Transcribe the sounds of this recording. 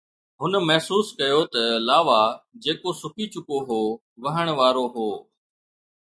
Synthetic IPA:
ɦʊnmɐɦsuːskɐjoːt̪ɐlaːʋaːd͡ʑeːkosʊkit͡ʃʊkoɦoː | ʋɐɦəɽ̃ʋaːɾoɦoː

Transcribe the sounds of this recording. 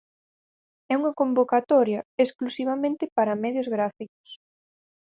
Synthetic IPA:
ɛuŋɐkombokat̪ɔɾjɐesklusiβ̞amẽnt̪ɪpaɾɐmɛðjʊzɣɾafiko̥s

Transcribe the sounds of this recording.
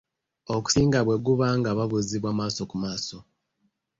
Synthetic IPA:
oku̥siːŋɡaβwe̞ɡuβaŋɡaβaβuziβwamaːso̞kumaːso̞

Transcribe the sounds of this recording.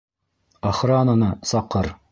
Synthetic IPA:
ɑχɾɑnɤnɤsɑqːɤɾ

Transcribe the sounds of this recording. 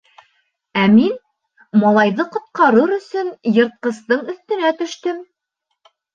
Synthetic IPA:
æmin | mɑlˠɑjðɤqŏt̪̚qɑɾɤɾɵ̆sɵnjɤ̆ɾt̪̚qɤ̆st̪ɤɴɵ̆θt̪ɘ̆næt̪ɵ̆ʃt̪ɵm

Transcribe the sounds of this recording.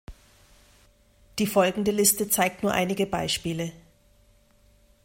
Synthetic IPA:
d̥iːfɔlɡŋ̩dəlɪstət͡saɪk̚tnuːɐʔa̰ɪnɪɡəbaɪʃpiːlə

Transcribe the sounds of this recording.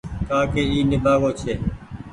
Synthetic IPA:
k̪aːkeːiːnɪbʱaːɡoːt͡ʃʰeː

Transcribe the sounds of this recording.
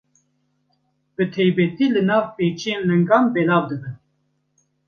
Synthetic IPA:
b̥ɨt̪ʰɛjbɛt̪iːlɨnɑːvpeːt͡ʃʰijeːnlɛŋɡɑːnbɛlɑːvd̪ɨbɨn

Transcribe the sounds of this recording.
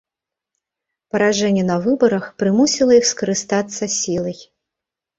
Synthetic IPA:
pɐɾaʐɛnʲːɛnɐvɨbɐɾɐxpɾɨmusʲilˠɐjixskɐɾɨst̪at̪sːɐsʲilˠɐj

